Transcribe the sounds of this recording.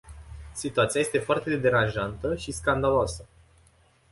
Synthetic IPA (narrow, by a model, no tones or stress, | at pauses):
sit̪uat̪siajest̪e̞foart̪e̞d̪e̞ɾanʒant̪əʃiskand̪aloasə